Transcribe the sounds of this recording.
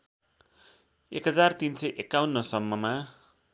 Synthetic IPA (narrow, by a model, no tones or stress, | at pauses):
ekɦʌd͡zart̪insʌjʔekːawnːʌsʌmːʌma